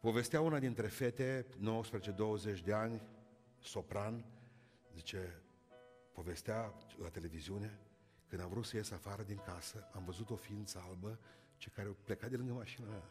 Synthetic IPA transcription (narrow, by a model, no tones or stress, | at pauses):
po̞ve̞st̪eaunad̪int̪ɾe̞fe̞t̪e̞no̞wəspɾezet͡ʃe̞d̪o̞wəzet͡ʃʲd̪e̞anʲ | so̞pɾan | zit͡ʃe̞ | po̞ve̞st̪ealat̪e̞le̞viziune̞ | kɨnd̪amvɾut̪səjesafaɾəd̪iŋkasəamvəzut̪o̞fiint̪səalbə | t͡ʃekaɾeple̞kat̪̚d̪elɨŋɡəmaʃinama